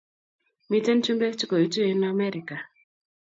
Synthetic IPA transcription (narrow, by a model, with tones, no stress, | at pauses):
mi˦te˦n˦t͡ʃu˦mbe˦t͡ʃu˦ko˨i˨tu˦e˦na˦mɛ˦ɾi˨ka˨